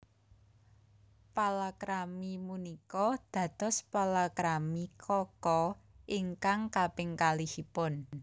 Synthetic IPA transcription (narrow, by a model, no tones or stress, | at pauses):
palakɾamimunikɔd̪̥ä̤d̪̥ɔ̤spalakɾamikʰɔkɔʔiŋkaŋkapɪŋkalihipʊn